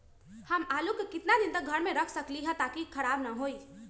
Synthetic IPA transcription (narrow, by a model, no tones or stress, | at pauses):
həmalukekɪt̪nad̪int̪əɡʱəɾmẽɾəkʰsəkliɦə̃t̪akikʰəɾabnəɦoi